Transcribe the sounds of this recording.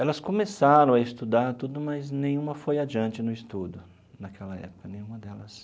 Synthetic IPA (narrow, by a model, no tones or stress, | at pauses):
ɛlɐskõmesaɾɐ̃w̃ɐɪst̪ud̪aɾt̪ud̪ʊmɐznẽj̃ũmɐfojad͡ʒiɐ̃nt͡ʃɪnʊɪst̪ud̪ʊ | nakʰɛlɐɛ̰pʊ̥kɐnẽj̃ũmɐd̪ɛlɐs